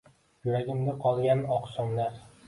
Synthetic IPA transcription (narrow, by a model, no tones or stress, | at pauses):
jʊɾaɡʲɪmɡ̪ʲaqʰɒlˠɡʲanɒqsɒŋlaɾ